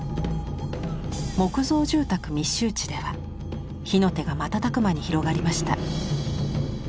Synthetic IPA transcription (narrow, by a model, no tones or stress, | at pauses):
mo̞kɯ̟zo̞ːʑɨːt̪akɯ̟mʲiɕːɨːt͡ɕi̥d̪e̞βa̰ | çino̞t̪e̞ɡamat̪at̪akɯ̟maɲ̟içiɾo̞ɡaɾʲimaɕi̥t̪a̰